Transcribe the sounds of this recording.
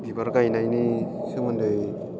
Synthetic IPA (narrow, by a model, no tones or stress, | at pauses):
bibaɾɡajnajni | sɯmɯndɯj